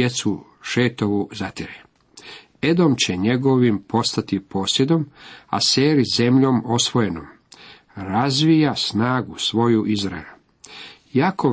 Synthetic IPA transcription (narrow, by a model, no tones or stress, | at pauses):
et̪su | ʃeːt̪o̞ʋuzat̪iɾe | ed̪omt͡ɕeɲe̞ɡo̞ʋimpo̞st̪at̪ipoːsjed̪o̞ma̰seːɾize̞mʎo̞mo̞sʋo̞je̞nom | ɾazʋijasnaːɡusʋo̞juʔizɾaelu | jaːkʰo